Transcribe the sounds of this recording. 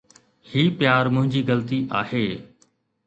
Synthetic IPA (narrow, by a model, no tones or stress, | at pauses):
hiːpjaːɾmʊ̃ɦɪ̃ɲd͡ʑiːɡɐlt̪iʔaːheː